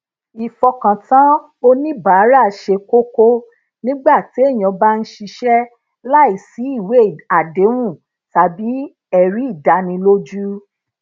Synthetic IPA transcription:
i˨fɔ˧kã˨tã˨˦ | o˧nĩ˦ba˨˦ɾa˦˨ʃe˧ko˦ko˦ | nĩ˦ɡ͡ba˦˨ti˨˦e˦˨j̃ã˧ba˦n̩˦ʃi˧ʃɛ˦ | la˦i˨si˨˦i˦˨we˨˦˨a˨de˨˦wũ˦˨ | ta˨bi˨˦ | ɛ˨ɾi˨˦i˦˨da˨˧nĩ˧lo˦d͡ʒu˦

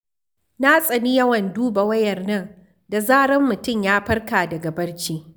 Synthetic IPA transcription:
na˦sʼɐ˨ni˦jɐ˦wɐ˨nduː˦ba˨wɐ˦jɐ˨rnɐ˦˨n | da˨zaː˦ɽɐ˦mːʊ˨tʊ˦˨mjaː˦ɸɐ˦rkaː˨dɐ˨ɡa˨bɐ˦ɽt͡ʃiː˦

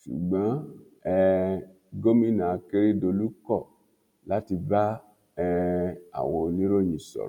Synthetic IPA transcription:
ʃṵ˨ɡ͡bã˨˦ | ɛ˧ | ɡo˦mĩ˦˨nã˨a˧ke˦ɾi˦do˧lu˦kɔ˦˨ | la˦ti˧ba˦ | ɛ˧a̰˨wo˧nĩ˦ɾo˦˨ɲĩ˨sɔ̰˨ɾ

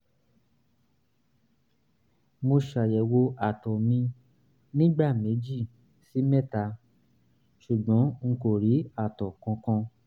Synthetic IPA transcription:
mo˧ʃa˨jɛ˨wo˧ʔa˨tɔ˨mĩ˧ | nĩ˦ɡ͡ba˦˨me˨˦d͡ʒi˦˨ | si˨˦mɛ˦˨ta˧ | ʃu˨ɡ͡bɔ̃˨˦ŋ̩˧˦ko˦˨ɾi˨˦a˦˨tɔ˨kɔ̃˧kɔ̃˧

